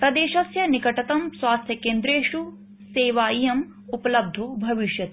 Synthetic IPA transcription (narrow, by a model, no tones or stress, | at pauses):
pɾɐd̪eːʃɐsjɐnikɐʈɐt̪ɐmswaːst̪ʰjɐkeːnd̪ɾeːʂu | seːʋaːijɐm | upɐlɐb̚d̪ʱobʱɐʋiʃjɐt̪